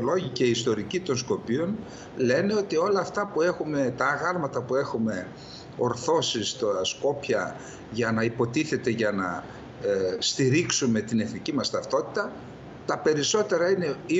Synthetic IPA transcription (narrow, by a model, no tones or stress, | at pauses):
lo̞ʝiceiːst̪o̞ɾicit̪o̞nsko̞pio̞n | le̞ne̞o̞t̪io̞lɐːft̪ɐpue̞xume̞t̪ɐːɣɐɾmɐt̪ɐpue̞xume̞ | o̞ɾθo̞sist̪ɐsko̞pçɐ | ʝɐnɐipo̞t̪iθe̞t̪e̞ʝɐnɐ̰ | st̪iɾiksume̞t̪ine̞θnicimɐst̪ɐft̪o̞t̪i̥t̪ɐ | t̪ɐpe̞ɾiso̞t̪e̞ɾɐine̞i